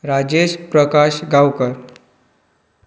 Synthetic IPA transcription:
ɾad͡ʑeɕpɾəkaɕɡawkəɾ

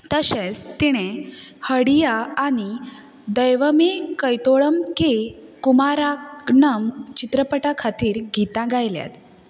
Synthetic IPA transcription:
t̪əɕẽt͡st̪iɽ̃ehəɽijaːɽ̃i | d̪əjʋəmekəjt̪oɭəmkekumaɾaknəmt͡ɕit̪ɾəpəʈakʰat̪iːɾɡʱit̪ãɡʱajlja̰t̪

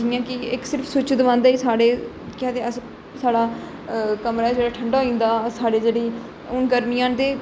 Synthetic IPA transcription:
d͡ʒijãːkɪksɪɾpʰsʊt͡ʃd̪ʋãːnd̪aːiːsaːɽeː | kaːt̪eːəs | saːɽaː | kəmɾaːɛd͡ʒeːɽaːʈʰəɳɖaːoĩːnd̪aːsaːɽeːd͡ʒeːɽiː | ʊnɡəɾmijãːnt̪eː

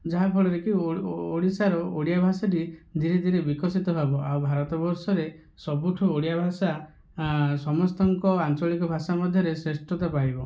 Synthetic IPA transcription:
d͡ʒaɦapʰɔɭɔɾekioɽisaɾɔoɽijabʱasaʈid̪ʱiɾed̪ʱiɾebikɔsit̪ɔbʱabɔʔawbʱaɾɔt̪ɔbɔɾsɔɾe | sɔbuʈʰuoɽijabʱasa | sɔmɔst̪ɔŋkɔant͡ʃɔɭikɔbʱasamɔd̪ʱjɔɾesɾesʈɔt̪apaɾibɔ

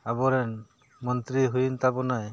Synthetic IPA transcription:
abɔɾɛn | mɔnt̪ɾiɦujint̪abɔnaj

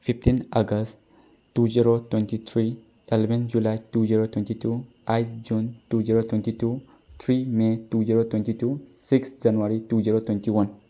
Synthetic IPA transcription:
fift̪ʰĩnaɡəst | tːud͡ʒiɾot̪wɛ̃nt̪it̪ʰɾi | ɛlbĩnd͡ʒulajtud͡ʒiɾot̪wɛ̃nt̪itu | ajd͡ʒuntud͡ʒiɾot̪wɛ̃ntitu | t̪ʰɾimetud͡ʒiɾot̪wɛ̃nt̪itusiksd͡ʒanwaɾitud͡ʒiɾot̪wɛ̃nt̪iwɐn

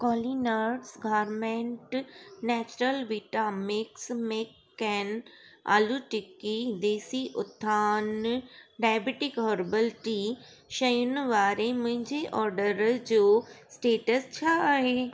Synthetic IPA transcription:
kɔːlinəɾɖsɡaːɾmẽɳʈnɛːt͡ɕɾəlʋiːʈaːmɪksmẽkː | ɛːna̰ːluʈɪkːid̪eːsiʔʊt̪ʰːaːnɖaːjbeʈɪkɦɔːɾbəlʈi | ʃɐjʊnʋaːɾemʊ̃ɦɪ̃ɲd͡ʑeʔɔːɾɖəɾd͡ʑoːsʈeːʈəst͡ɕʰaaːɦeː

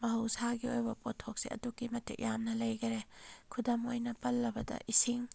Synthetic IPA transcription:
mɐɦɐwsaɡiojbɐpotʰːok̚siʔɐ̰dukːimɐtʰḭk̚jamnɐlɐjɡɐɾekʰudɐmojnɐpɐlːɐbɐdɐ̰ʔisiŋ

